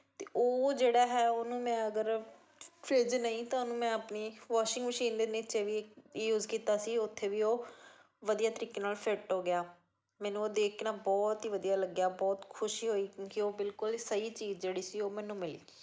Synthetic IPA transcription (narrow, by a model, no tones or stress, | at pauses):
t̪eːʔoːd͡ʒeːɽaːɦɛːoːnũːmɛ̃ːəɡəɾ | fʰeːd͡ʒnəĩːt̪ãonũːmɛ̃ːəpniːʋaːʃɪ̃ŋɡməʃiːnd̪eːnɪt͡ʃeʋiːɪkjuːzkiːt̪aːsiːʊt̪ʰːeːʋiːoː | ʋəd̪ijaːt̪əɾiːkeːnaːlfʰɪʈɦoːɡɪjaː | mɛ̃ːnũːoːd̪eːkʰnaːbɔːt̪ɦiːʋəd̪ijaːləɡjaːbɔːt̪kʰʊʃiːɦoːiːkjõːkioːbɪlkʊlsəiːt͡ʃiːzd͡ʒeːɽiːsiːoːmɛ̃ːnũːmɪlḭːiː